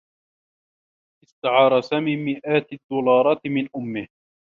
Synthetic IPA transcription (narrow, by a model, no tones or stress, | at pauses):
ʔɪst̪aʕɑːɾˤɑsamɪmːɪʔaːt̪d̪ːuːlɑːɾˤɑːt̪mɪnʔʊmːɪh